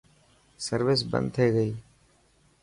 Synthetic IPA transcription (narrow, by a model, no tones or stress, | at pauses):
səɾʋɪs̬bə̰̃nd̪̚t̪ʰeːɡəiː